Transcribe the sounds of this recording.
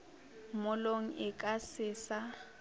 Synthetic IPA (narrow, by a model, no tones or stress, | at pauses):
mʊloŋ̩ʔɪkʼasɪːsa